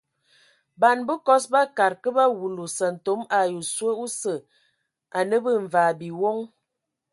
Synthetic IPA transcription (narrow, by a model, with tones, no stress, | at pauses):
ba˨nbə˦kɔ˦sba˦ka˨ɾkə˦ba˦wu˨lu˨sə˨n̩˨to˨˦ma˨ju˨swə˦u˦sə˨ | a˨nə˦bə˦ɱ˨vaː˨bi˨wo˦ŋ